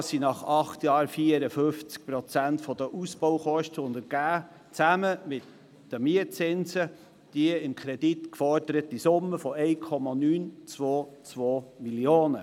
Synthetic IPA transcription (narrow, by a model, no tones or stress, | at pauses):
sinɑχɑχt̪jɑːɾfiəɾəfɵft͡sk̚pɾɔt͡sæntfɔd̥əʔusb̥oʊχɔʃtəʊnd̪əɾɡ̥æː | t͡sæməmɪt̪ | d̥əmiət͡sɪnsə | d̥iəɪmkʰɾɛd̥it̪kfɔɾd̥əɾətisʊmːəfɔɛɪkʰɔmɑnyːnt͡sʋoːt͡sʋoːmiljoːnə